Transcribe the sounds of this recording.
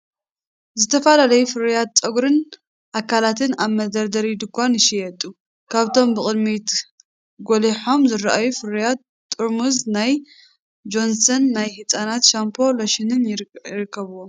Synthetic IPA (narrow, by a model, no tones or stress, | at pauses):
zɨt̪ʰɐfalalɐjufɨɾijat̪̚t͡sʼɐɡɾɨn | ʔakʰːalat̪ʰɨnaβmɐd̪ɐɾd̪ɐɾid̪ɨkʷːanɨʃijɛt̪ʼːu | kʰaβt̪ʰo̞mbɨχʼɨd̪mit̪ | ɡoliħo̞mzɨɾaʔajufɨɾjat̪ːʼ | uɾmuznaj | d͡ʒo̞nsɐnːajhɨt͡sʼanat̪ʃampʰo̞loʃɪnɨnjɪɾɨkːɐβuwom